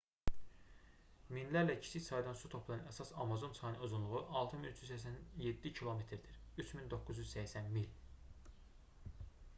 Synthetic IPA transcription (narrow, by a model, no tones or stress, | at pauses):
minlæɾlæcʰi̥siçsɑjd̪ɑnsut̪ʰo̞pʰlˠɑjɯnæsɑsɑmɑzo̞nsɑjnɯozunlˠuɣʁuʔɑlˠt̪ʰɯminyt͡ʃʰyzsæçsænjed̪ːicʰilˠo̞met̪ʰɾd̪iɾ | yt͡ʃʰmind̪o̞kːuzjyzsæçsænmil